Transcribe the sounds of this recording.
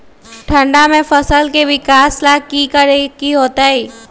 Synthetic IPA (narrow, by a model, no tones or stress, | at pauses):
ʈʰə̃ɳɖamẽfəsəlkeʋɪkaːslakikəɾekiɦoːt̪aɦiː